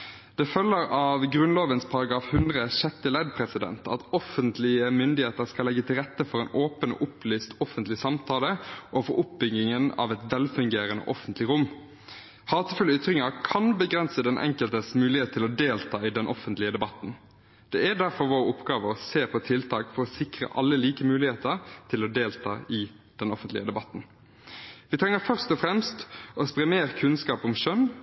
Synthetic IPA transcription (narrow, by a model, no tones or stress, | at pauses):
d̪̥ɛfœlːəɾɑʋɡɾʉnloːʋənspʰɑɾɑɡɑːfhʉnd̪ʁəʃɛt̪ːɪlæd̪̚pʰʁɛsɪd̪ɛ̰nt̪ʰɑ̰t̪ɔfənt̪lɪəmʏnd̪ɪheːt̪əɾskɑlɛɡːət̪ʰɪlʁɛt̪ːəfɔɾɛɪnʔoːpəno̰ʔʊplyːst̪ɔfənt̪lɪsɑmt̪ʰɑːləʔoːfɔɾʔʊp̚bʏɡɪŋənɑ̰ʋɛt̪ʋɛlfʉŋɡeːɾənə̰ʔɔfənt̪lɪɾʊmː | hɑːt̪əfʉlːəʏt̪ʁɪŋɑkʰɑnbəɡʁɛnsəd̪ɛnʔɛ̰ŋkəlt̪əsmʉːlɪheːt̪ʰːɪlɔd̪eːlt̪ʰɑːɪd̪ɛnʔɔfənt̪lɪəd̪ɛbɑt̪n̩ | d̪̥ɛæɖ̪æʁfɔɾʋoːɾʊpɡ̥ɑːʋəɔseːpʰɔt̪ʰɪlt̪ʰɑːkfɔɾɔsɪkʁə̰ʔɑlːəliːkəmʉːlɪheːt̪əɾt̪ʰɪlɔd̪eːlt̪ʰɑ̰ːɪ | d̪̥ɛnɔfənt̪lɪəd̪ɛbɑt̪ːn | ʋɪt̪ʰʁɛŋːəfœʁst̪ɔfʁɛmst̪ɔspʁɛmeːʁkʰʉnskɑːpɔmʃœn